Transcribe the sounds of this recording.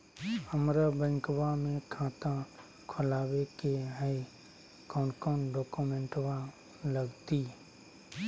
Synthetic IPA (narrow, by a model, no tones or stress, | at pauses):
əmɾəbə̃ŋkbamẽkʰãːt̪ã | kʰʊlaːwekeɦəi | kɔːnkɔːnɖɔːkumẽɳʈʋa | ləɡt̪i